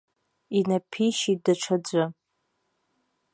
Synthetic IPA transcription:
inapʰiʃit̚daʈ͡ʂʷʰad͡ʒʷɨ

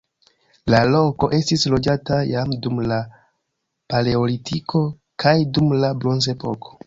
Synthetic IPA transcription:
lalo̞ko̞ʔe̞stislo̞d͡ʒatajamdumla | paleolitʰikʰo̞ | kʰajdumlabɾo̞nze̞po̞kʰo̞̥

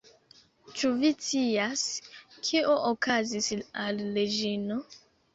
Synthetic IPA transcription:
t͡ʃuvit͡siaskʰiʔoʔokazisalːed͡ʒino

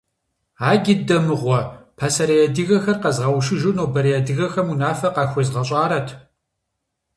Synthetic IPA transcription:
aːɡʲɪdɐmɨʁʷɔpʰaːsɐɾɐjɛdɨɣɐxɐrqɐzʁɐwʃɨʒɨnoːbɐɾijɛdɨɣɐxɐmunaːfɐqɑːxʷɔzʁɐɕʼaːɾɐtʰ

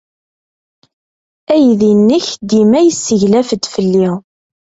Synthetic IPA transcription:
æjðinːəçd̪imæjəsːəʝlæfəd̪fəlːiʁ

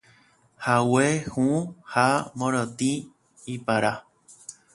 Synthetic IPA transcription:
hawehũhamõɾõt̪ĩ | ipaɾa

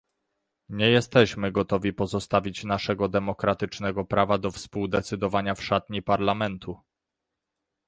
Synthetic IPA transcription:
ɲɛjɛst̪ɛɕmɘɡɔt̪ɔvʲipɔzɔst̪avʲit͡ɕnaʂɛɡɔd̪ɛmɔkɾat̪ɘt͡ʂnɛɡɔpɾavad̪ɔfspuwd̪ɛt̪sɘd̪ɔvaɲafʂat̪ɲipaɾlamɛnt̪ʰu

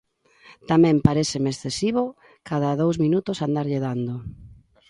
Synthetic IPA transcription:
t̪amɛ̃mpaɾeθɪmeesθesiβo | kaðaðowzmĩnut̪ʊsand̪aɾʎeðand̪ʊ

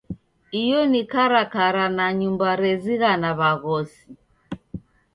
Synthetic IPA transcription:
ijɔnikaɾakaɾanaɲumbaɾɛziɣanaβaɣɔsi

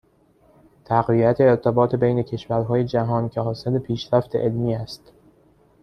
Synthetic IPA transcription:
t̪ʰæɣviæt̪ʰe̞ːɾt̪ʰebɒːt̪ʰe̞bejne̞cʰe̞ʃvæɾɦɒːje̞d͡ʒæɦɒːncʰehɒːselepʰiːʃɾæft̪e̞̰ʔelmiːæst̪

